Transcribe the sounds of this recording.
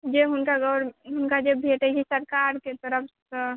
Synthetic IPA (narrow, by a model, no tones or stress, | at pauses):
d͡ʒeɦʊnkaɡɔːɾɦʊnkad͡ʒebʱeʈeɡisəɾkaɾket̪əɾəpʰ